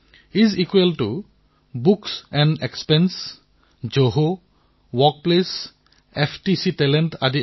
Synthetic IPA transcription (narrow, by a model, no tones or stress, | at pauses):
izikweltu | buksɛ̃nɖekspɛns | d͡ʒoɦo | wɔk̚ples | epʰtisitɛlɛntadi